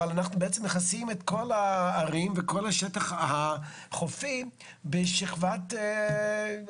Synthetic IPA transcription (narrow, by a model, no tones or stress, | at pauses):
alanaχnubeʔet͡semneχasimetko̞laːʁimvekolaʃɛtaχha | χofi | beʃiχvat